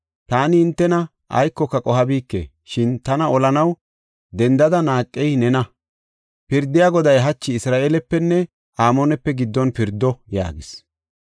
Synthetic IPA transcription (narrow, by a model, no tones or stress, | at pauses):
t̪aːnɪɪnt̪ːɛnɐ | ʔɐ̰jkːɔkːɐkʼɔhɐbiːkːḛː | ʃɪnt̪ɐnɐɔlɐnɐw | d̪ɛnd̪ɐd̪ɐnaːkʼːɛjnɛnɐ | pɪɾd̪ːɪjaɡɔd̪ɐjɦɐt͡ʃːɪːsɾaːʔeːlɛpːɛnːɛ | ʔaːmoːnɛpːɛɡɪd̪ːɔnpɪɾd̪ːɔja̰ːɡɪs